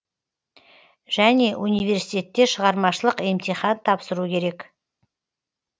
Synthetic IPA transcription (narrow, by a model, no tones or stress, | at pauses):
ʒ̥æne̞ʔunijve̞ɾsijt̪e̞t̪ːe̞ʃəʁɑɾmɑʃəlˠəqe̞mt̪iχɑnt̪ʰɑpsəɾukʲʰe̞ɾe̞k